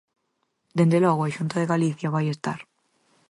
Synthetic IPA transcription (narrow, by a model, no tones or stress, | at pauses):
d̪end̪eloɣoeʃunt̪oð̞eɣaliθjaβ̞ajest̪a̰ɾ